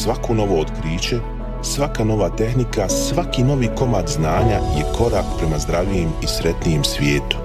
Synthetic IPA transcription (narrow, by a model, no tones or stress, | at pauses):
sʋako̞no̞ʋo̞od̪kɾiːt͡ɕe̞ | sʋakano̞ʋat̪e̞xnikasʋakino̞ʋiːko̞mat̪znaːɲaje̞kʰo̞ɾakpɾe̞mazd̪ɾaʋʎijemisɾe̞t̪nijemsʋje̞ːt̪u̥